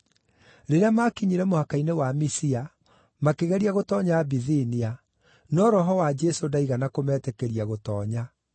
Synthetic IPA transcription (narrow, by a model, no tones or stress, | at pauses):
ɾeɾeamakiɲiɾɛmohakainewamisia | makeɣɛɾiaɣotɔɲaːbiðinia | nɔɾɔɦɔwad͡ʒɛsodaiɣanakomɛːtɛkɛɾiaɣotɔːɲa